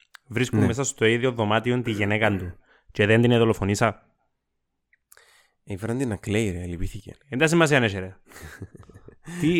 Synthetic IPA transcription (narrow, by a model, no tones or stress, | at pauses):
vɾiskumːes̬ɐst̪oiðioðo̞mɐt̪iont̪iʝenekɐnd̪u | ceðend̪ineðolofonisɐ | ifɾɐnd̪inɐklejɾeelipiθicḛind̪ɐs̬imːɐs̬iɐneʃeɾe | t̪i